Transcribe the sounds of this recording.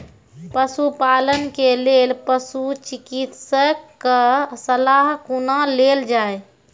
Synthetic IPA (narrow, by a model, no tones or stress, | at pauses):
pəsupalənkelelpəsut͡ʃikit̪səkːəsəlaɦkunaleld͡ʒae